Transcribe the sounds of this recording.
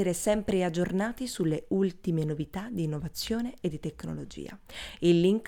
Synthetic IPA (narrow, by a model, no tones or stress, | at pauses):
eɾesɛmpɾead͡ʒornaːt̪isulːeʔult̪imenovit̪ad̪iːnːovat̪sːjoːneed̪ːit̪ekːno̰lod͡ʒḭːa̰ilːiŋk